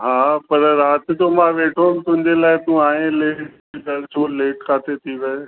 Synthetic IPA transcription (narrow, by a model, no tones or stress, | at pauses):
ɦaːpɐɾɾaːt̪ɪd͡ʑoːmãʋeːʈʰoːnt̪ʊ̃ɦɪ̃ɲd͡ʑelaːɪt̪ũaːɦẽleːʈd͡ʑeɡɐɽt͡ɕʰoleːʈkʰaːt̪et̪ʰiʋɐo